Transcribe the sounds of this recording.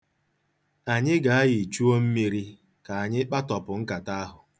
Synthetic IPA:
a˨ɲɪ˦ɡa˨a˦jɪ˨t͡ʃu˦o˦m̩˦mi˨ɾi˦ | ka˨a˨ɲɪ˦k͡pa˦tɔ˨pʊ˨ŋ̩˦ka˨ta˦a˦ɦʊ˨

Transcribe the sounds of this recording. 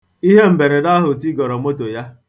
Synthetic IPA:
i˦ɦe˦m̩˨be˨ɾe˨da˦ɦʊ˨ti˦ɡɔ˨ɾɔ˨mo˦to˨ja˦

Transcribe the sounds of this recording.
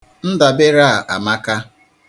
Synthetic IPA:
n̩˦da˨bɪ˦ɾa˦a˨ʔa̰˨ma˦ka˦

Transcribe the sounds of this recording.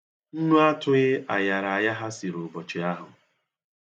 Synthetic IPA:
n̩˦nu˦a˦tʊ˦ɣɪ˦a˨ja˨ɾa˨a˨ja˦ɦa˦si˨ɾo˨bɔ˨t͡ʃɪ˨a˦ɦʊ˨

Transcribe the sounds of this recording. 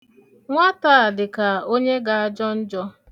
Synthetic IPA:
ŋʷa˦ta˦˨dɪ˨ka˨o˦ɲe˦ɡa˨a˦d͡ʒɔ˦n̩˦d͡ʒɔ˦

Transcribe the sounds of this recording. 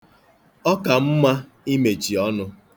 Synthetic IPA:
ɔ˦ka˨m̩˦ma˦ | i˦me˨t͡ʃi˨ɔ˦nʊ˦

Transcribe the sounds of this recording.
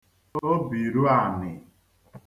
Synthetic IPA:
o˦bi˨ɾu˦a˨mɪ˨

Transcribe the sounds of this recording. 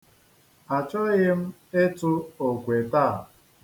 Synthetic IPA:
a˨t͡ʃɔ˦ɣɪ˦m̩˦ | e˦tʊ˦o˨kʷe˨taː˦˨

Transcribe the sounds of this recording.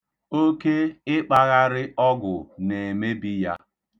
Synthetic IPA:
o˦ke˦ɪ˦k͡pa˦ɣa˦ɾɪ˦ʔɔ˦ɡʊ̰˨ne˨me˦bi˦ja˦

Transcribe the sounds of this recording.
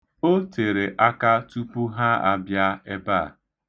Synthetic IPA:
o˦te˨ɾe˨ʔa˦ka˦tu˦pu˦ɦa˦a̰˨bja˦e˦ba˦˨

